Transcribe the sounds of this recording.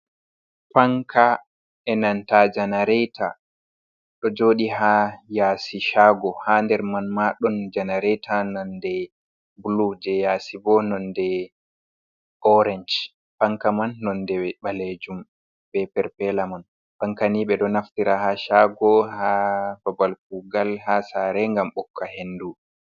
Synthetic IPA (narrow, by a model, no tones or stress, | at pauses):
paŋkʰa | ɛnantad͡ʒanaɾɛjtʰa | ɗɔd͡ʒoːɗiɦajaːsiʃaɡɔhandɛɾmanmaɗɔnd͡ʒanaɾɛjtʰanandɛ | bulud͡ʒɛjaːsibɔnɔndɛ | ʔɔɾɛɲd͡ʒ | paŋkamanːɔndɛɓaled͡ʒum | bɛpɛɾpɛlaman | paŋkaniɓɛɗɔnaftiɾahaʃaɡɔhababalk̚uɡalhasaɾɛŋɡamɓɔkːahenːdu